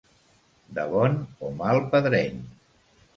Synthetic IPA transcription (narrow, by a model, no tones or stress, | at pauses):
d̪əβɔnomalˠpəðɾɛɲ